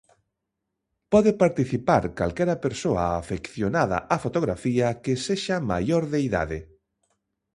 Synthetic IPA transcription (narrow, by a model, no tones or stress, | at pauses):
pɔðepaɾt̪iθipaɾkalkɛɾɐpeɾsoaːfekθjonaða̰ʔafot̪oɣɾafiɐkeseʃama̰joɾðeiða̰ðe